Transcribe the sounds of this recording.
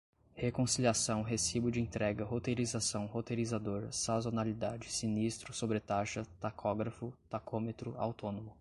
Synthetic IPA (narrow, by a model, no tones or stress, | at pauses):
hekõsiliasɐ̃w̃ɦesibʊd͡ʒɪẽnt̪ɾɛɡɐɦot̪ejɾizasɐ̃w̃hot̪ejɾizad̪oɾsazonalid̪ad͡ʒɪsinist̪ɾʊsobɾɪt̪aʃɐt̪akʰɔɡɾɐfʊt̪akʰomet̪ɾʊa̰wt̪õnõmʊ